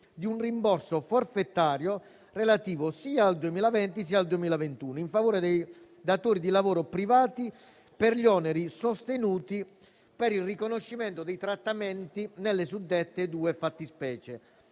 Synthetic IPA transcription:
d̪iunrimbɔrsoforfet̪ːaːɾjo | relat̪iːvosiːaːld̪uemiːlavɛnt̪is̬iald̪uemiːlavent̪uːnoiɱfavoːɾed̪ej | d̪at̪oːɾid̪ilavoːɾopɾivaːt̪i | peɾʎɔːnɛɾisost̪enuːt̪i | peɾilrikonoʃːimɛnt̪od̪ɛjt̪ɾat̪ːamɛnt̪inelːes̬ud̪ːet̪ːed̪uːefat̪ːispɛːt͡ʃe

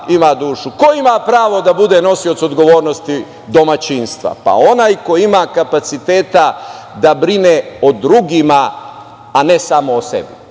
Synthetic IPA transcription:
imad̪uːʃuko̞imapɾaːʋo̞d̪abud̪e̞no̞siot̪so̞d̪ɡo̞ʋo̞ːɾnost̪i | d̪o̞mat͡ɕinst̪ʋa̰pa̰o̞naːjko̞jimakapat̪sit̪eːt̪a | d̪abɾineod̪ɾuɡimaː | nesamoːsḛbi

